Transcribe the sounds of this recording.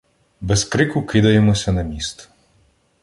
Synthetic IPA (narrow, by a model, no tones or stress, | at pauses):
bɛskɾɪkʊkɪd̪ɐjemɔsʲɐnɐmʲist̪